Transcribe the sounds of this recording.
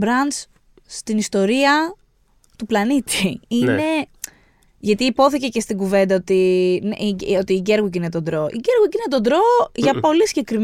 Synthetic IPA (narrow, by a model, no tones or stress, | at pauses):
bɾɐns | st̪inist̪o̞ɾiɐ | t̪uplɐnit̪iine̞ | ʝɐt̪iːpo̞θice̞ce̞st̪iɡuve̞nd̪ɐot̪iniot̪iːɟe̞ɾɣucine̞t̪o̞nd̪ɾo̞ʔḭɟe̞ɾɣucine̞t̪̬o̞d̪ɾoʝɐpo̞lisiɟe̞kɾim